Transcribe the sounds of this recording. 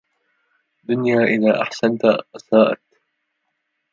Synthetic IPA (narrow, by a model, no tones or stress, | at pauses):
d̪ʊnjaːʔɪðaːʔaħsant̪aʔasaːʔa̰t̪